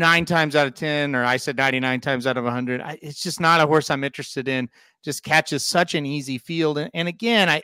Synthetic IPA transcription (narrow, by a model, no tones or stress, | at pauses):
nãɪ̃ntʰãɪ̃mzaʊɾʌv̥tʰɛ̃nə˞aɪsɛd̚ⁿnãɪ̃ɾ̃inãɪ̃ntʰãɪ̃mzaʊɾʌvəhʌ̃ndɹɨɾa̰ɪʔɪtsd̥ʒ̥ʌsnəɾəɦɔɹsãɪ̃mɪ̃nt͡ʃɹ̥ɨstɨɾɪ̃n̥ | d͡ʒ̥ʌskʰæt͡ʃɨz̥sʌt͡ʃɨ̃nizifilˠdɨ̃nɨ̃nɨɡɛ̃naɪ